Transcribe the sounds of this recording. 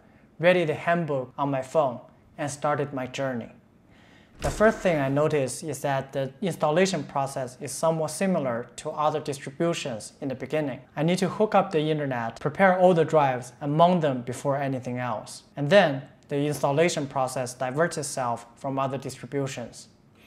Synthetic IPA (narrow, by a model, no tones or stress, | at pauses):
ɹɛɾiðɨhæ̃nbʊkə̃nmaɪfõʊ̃n | ɨ̃nstɑɹɾɨd̚maɪd͡ʒɜ˞nḭ | ðəfɜ˞sθɪ̃ŋaɪnoʊɾɪsɪzðɨt̪̚ðiɪ̃nstəleɪʃɨ̃npʰɹ̥ɔsɛsɪz̥sʌ̃mwɔtsɪ̃ml̩ˠə˞tʰəʌðə˞dɪstɹ̥ɨbjuʃɨ̃nz̥ɨ̃nðɨbɨɡɪ̃nɪ̃ŋaɪnid̚tʰɨhʊkʌp̚ðiɪ̃ntə˞nɛt̚pʰɹ̥ipʰɛɹɔlˠðədɹaɪvzəmʌ̃ŋðə̃mbɨfɔɹɛniθɪ̃ŋɛlˠsɨ̃nðɨ̃n | ðiɪ̃nstəleɪʃə̃npʰɹ̥ɔsɛsd̥aɪvɜ˞tsɨtsɛlˠffɹʌ̃mʌðə˞dɪstɹ̥ɨbjuʃɨ̃nz̥